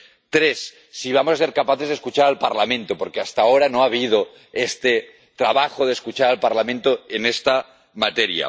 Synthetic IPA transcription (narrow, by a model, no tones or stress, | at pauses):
t̪ɾesː | iβ̞amosaseɾkapaθezðeskut͡ʃaɾalpaɾlamẽ̞nt̪opoɾkeast̪aoɾanoaβ̞ið̞o | est̪e | t̪ɾaβaxoðeskut͡ʃaɾalpaɾlamẽnt̪oenest̪a | mat̪eɾja̰